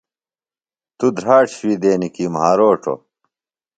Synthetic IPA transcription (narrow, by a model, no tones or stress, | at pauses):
t̪ud̪ɾaːʈɕwid̪eːnikimɦaːɾoːʈʰo̰